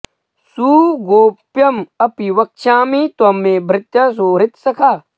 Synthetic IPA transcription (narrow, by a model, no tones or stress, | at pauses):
suːɡoːpjɐmɐpiʋɐk̚ʃaːmit̪ɐmːebɾɪt̪jɐs̬oːɾɪt̪sɐkʰa